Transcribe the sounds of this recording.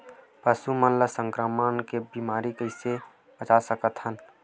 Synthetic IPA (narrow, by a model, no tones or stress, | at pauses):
pəsumənləsə̃ŋkɾəmənkebimaːɾikəɪse | bət͡ʃasəkət̪ɦən